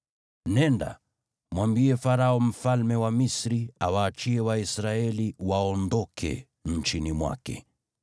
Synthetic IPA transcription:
nɛnda̰ | mwambiɛfaɾaɔm̩falmɛwamisɾiawaːt͡ʃiɛwaisɾaɛliwaɔndɔkʰɛ̰ | ɲ̩t͡ʃinimwa̰kɛ̰

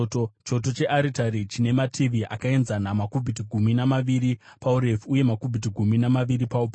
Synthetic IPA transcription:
ot͡ʃo̞t̬o̞t͡ʃe̞ʔaɾitaɾit͡ʃine̞matʰiʋiʔa̰kae̞nzanamakubʱit̬iɡʱuminamaʋiɾipauɾefuje̞makubʱit̬iɡʱuminamaʋiɾipaupa

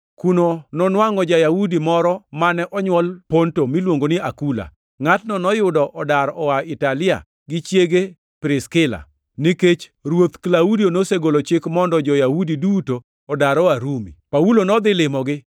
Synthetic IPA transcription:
kunonɔnwaŋɔd͡ʒajaudimɔɾɔmanɛʔɔɲwɔlpontomilwoŋɡonɪakula̰ | ŋatnɔnɔjʊdɔʔɔdaɾɔwaɪtalɪa̰ | ɡɪt͡ʃjeɡe | pɾɪskɪla̰ | niket͡ʃɾwot̪klaudionoseɡolot͡ʃɪkmɔndɔd͡ʒɔjahudidutoː | daɾɔaɾumḭpaulonɔd̪ɪlɪmɔɡɪ

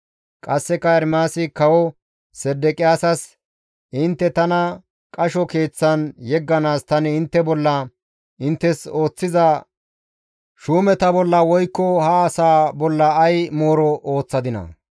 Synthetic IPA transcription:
kʼɐsːɛkɐɛɾmaːsɪkɐwɔ | sɛd̪ːɛkʼɪjaːsɐs | ʔɪnt̪ːɛt̪ɐnɐ | kʼɐʃɔke̞ːt͡sːɐnjɛɡːɐnaːst̪ɐnɪɪnt̪ːɛbɔlːɐ | ɪnt̪ːɛso̞ːt͡sːɪzɐ | ʃuːmɛt̪ɐbɔlːɐwɔjkːɔhɐːsaːbɔlːɐːjmo̞ːɾɔʔo̞ːt͡sːɐd̪ɪnɐ̰

